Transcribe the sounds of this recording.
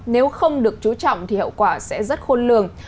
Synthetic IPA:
ne˨˦wxə˧wŋ͡mɗɨ˨˩ək̚t͡ɕu˨˦t͡ɕɔ̰˧˨wŋ͡mt̪ʰi˨˩hə̰˧˨wkwaː˧˩sɛ̰˧˥zə˦˥t̚xo˧nlɨ̰˧˨əŋ

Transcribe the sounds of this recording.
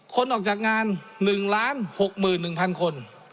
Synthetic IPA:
kʰo˧˥nʔɔː˨˩k̚t͡ɕaː˨˩k̚ŋaː˧nːɯ˨˩ŋlaː˦˥nho˨˩k̚mɯː˨˩nːɯ˨˩ŋpʰa˧nkʰo˧n

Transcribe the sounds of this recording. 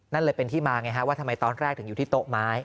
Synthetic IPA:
na˥˩nlɤː˧jpe˧nt̪ʰiː˥˩maː˧ŋa˧˥jkʰa˦˥waː˥˩t̪ʰa˧ma˧jt̪ɔː˧nɾɛː˥˩k̪̚ʰɯ˩˦ŋu˨˩t̪ʰiː˥˩t̪o˦˥ʔmaː˦˥j

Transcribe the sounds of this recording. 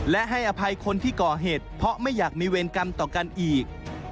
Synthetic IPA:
lɛ˦˥ʔɦa˥˩jʔa˧pʰa˧jkʰo˧nt̪ʰiː˥˩kɔː˨˩ɦeː˨˩t̪̚pʰɔ˦˥ʔma˥˩jːaː˨˩k̚miː˧weː˧nka˧mt̪ɔː˨˩ka˧nʔiː˨˩k̚

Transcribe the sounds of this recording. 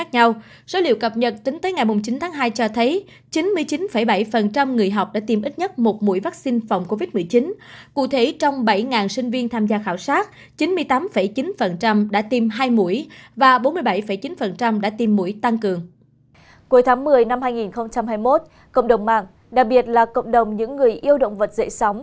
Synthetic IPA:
a˦˥k̚ɲa˧w | z̥o˨˦lḭ˧˨wkə˨˩p̚ɲə˨˩t̚t̪ï˨˦ŋt̪əː˨˦jŋa˨˩jmʊ˨˩ŋ͡mt͡ɕi˨˦nt̪ʰaː˨˦ŋɦaː˧jt͡ɕɔ˧t̪ʰə˨˦j | t͡ɕi˨˦nmɨ˧əjt͡ɕi˨˦nfə˧˩jɓa˧˩jfə˨˩nt͡ɕa˧mŋɨ˨˩əjɦa˨˩wk͡p̚ɗa̰ː˧˥t̪i˨˧˩mʔi˦˥t̚ɲə˦˥t̚mo˨˩t̚mu˧˥jvaː˦˥k̚si˧nfɔ˨˩wŋ͡mko˧vi˦˥t̚mɨ˨˩əjt͡ɕi˨˦nkṵ˧˨t̪ʰe˧˩˦t͡ɕɔ˧wŋ͡mɓa˧˩jŋaː˨˩nsï˧ŋ̟vi˧ənt̪ʰaː˧mzaː˧xaː˧˩wsaː˦˥t̚ | t͡ɕi˨˦nmɨ˧əjt̪aː˨˦mfə˧˩jt͡ɕi˨˦nfə˨˩nt͡ɕa˧mɗa̰ː˧˥t̪i˧mɦaː˧jmṵ˧˩˥əjvaː˨˩ɓo˨˦nmɨ˧əjɓa˧˩jfə˧˩jt͡ɕi˨˦nfə˨˩nt͡ɕa˧mɗa̰ː˧˥t̪i˧˩mːṵ˧˩əjt̪a˧ŋkɨ˨˩əŋ | ku˨˦jt̪ʰaː˨˦ŋmɨ˨˩əjna˧mhaː˧jŋi˨˩nxə˧wŋ͡mt͡ɕa˧mhɦaː˧jmo˦˥t̚ | kə̰˧˨wŋ͡mɗə˨˩wŋ͡mma̰ː˧˨ŋ | ɗa˨˩k̚ɓi˨˩ət̚laː˨˩kə̰˧˨ŋ͡mɗə˨˩wŋ͡mɲɨ̰˧˥ŋːɨ˨˩əjʔi˧əwɗə̰˧˨wŋ͡mvə˨˩t̚zə̰˧˥sɔ˨˦wŋ͡m

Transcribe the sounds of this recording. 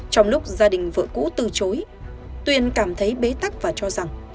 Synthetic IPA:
t͡ɕɔ˧wŋ͡mlʊ˦˥k͡p̚zaː˧ɗï˨˩ŋ̟vɨ̰˧˨əkṵ˧˥t̪ɨ˨˩t͡ɕo˨˦j | t̪wi˧ənkaː˧˩mt̪ʰə˨˦jɓe˨˦t̪a˦˥k̚vaː˨˩t͡ɕɔ˧za˨˩ŋ

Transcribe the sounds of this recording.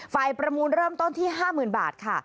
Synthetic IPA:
fa˧jpɾa˧muː˧nɾɤː˥˩mt̪o˥˩nt̪ʰiː˥˩ɦaː˥˩mɯː˨˩nba̰ː˨˩t̪̚kʰa˥˩

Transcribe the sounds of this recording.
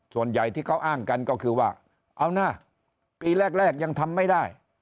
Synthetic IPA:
su˨˩ənja˨˩jt̪ʰiː˥˩kʰa˦˥˩wʔaː˥˩ŋka˧nkɔː˥˩kʰɯː˧waː˥˩ | ʔa˧wnaː˥˩ | piː˧ɾɛː˥˩k̚ɾɛː˥˩k̚ja˧ŋt̪ʰa˧mːa˥˩jda˥˩j

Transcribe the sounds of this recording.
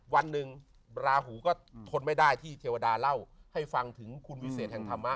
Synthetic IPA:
wa˧nːɯ˧ŋ | ɾaː˧ɦuː˩˦kɔː˥˩t̪ʰo˧nma˥˩jdaː˥˩jt̪ʰiː˥˩t̪ʰeː˧wa˧daː˧la˥˩wha˥˩jfa˧ŋt̪ʰɯ˩˦ŋkʰu˧nwi˦˥seː˨˩t̪̚hɛ˨˩ŋt̪ʰa˧mːa˦˥

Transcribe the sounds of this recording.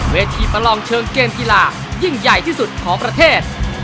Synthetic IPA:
weː˧t̪ʰiː˧pa˧lɔː˧ŋt͡ɕʰɤː˧ŋkeː˧mki˧laː˧ | ji˥˩ŋja˨˩jt̪ʰiː˥˩su˨˩t̪̚kʰɔː˩˦ŋpɾa˧t̪ʰeː˥˩t̪̚

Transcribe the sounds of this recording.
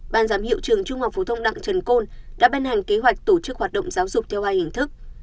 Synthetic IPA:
ɓaː˨˩nzaː˨˦mhḭ˧˨wt͡ɕɨ˨˩əŋt͡ɕʊ˧ŋ͡mha˨˩k͡p̚fo˨˦t̪ʰə˧wŋ͡mɗa̰ː˧˨ŋt͡ɕə˨˩nko˧nɗa̰ː˧˥ɓaː˧nha˨˩ŋ̟ke˨˦ɦwa˨˩jk̚t̪o˧˩t͡ɕɨ˦˥k̚hwaː˨˩t̚ɗ̰ŋ͡mzaː˨˦wzʊ˨˩k͡p̚t̪ʰɛ˧wvaː˧jhï˧˩ŋ̟t̪ʰɨ˦˥k̚

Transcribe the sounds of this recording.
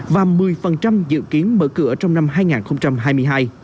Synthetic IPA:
vaː˨˩wmɨ˨˩əjfə˨˩nt͡ɕa˧mzɨ̰˧˨ki˨˦ənɓə̰ː˧˥kɨ̰˧˩ət͡ɕɔ˧wŋ͡mna˧mɦaː˧jŋaː˨˩nxə˧ŋ͡mt͡ɕa˧mɦaː˧jmɨ˧əjɦaː˧j

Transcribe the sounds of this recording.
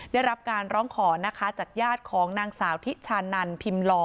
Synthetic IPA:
daː˥˩jɾa˦˥p̚kaː˧nɾɔː˦˥ŋkʰɔː˩˦na˦˥kʰa˦˥t͡ɕaː˨˩k̚jaː˥˩t̪̚kʰɔː˩˦ŋnaː˧ŋsaː˩˦wt̪ʰi˦˥t̪̚t͡ɕʰaː˧nːa˧npʰi˧mlɔː˧

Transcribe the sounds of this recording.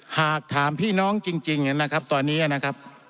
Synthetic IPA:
haː˨˩k̚t̪ʰaː˩˦mpʰiː˥˩nɔː˦˥ŋt͡ɕi˧ŋt͡ɕi˧ŋa˧na˦˥kʰa˦˥p̚t̪ɔː˧nːiː˦˥ʔa˧na˦˥kʰa˦˥p̚

